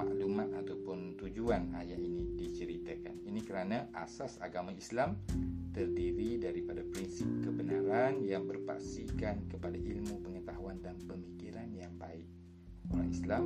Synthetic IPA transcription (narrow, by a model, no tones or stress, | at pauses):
a̰ʔlumat̪̚at̪awpʊnt̪ud͡ʒuana̰jaʔinidit͡ʃəɾit̪aka̰ninikəɾanaʔasasa̰ɡamãislamt̪ərdiɾidaɾipadapɾinsip̚kəbənaɾanjaŋbərpa̰ksikankəpadaʔilmũpəŋət̪aɦuandanpəmikiɾanjaŋbaɪk̚ | oɾa̰ŋislam